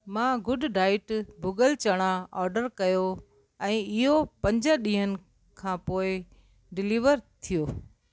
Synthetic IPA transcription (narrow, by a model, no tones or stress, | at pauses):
mãːɡʊɖɖaːɪʈbʱʊɡəlt͡ɕɐɽ̃aɔːɾɖəɾkɐjo | ɛ̃ːɪɦopɐ̃ɲd͡ʑə̆ɗĩːɦənɪ̆ | kʰãːpoːɪ | ɖɪliːʋəɾt̪ʰijoː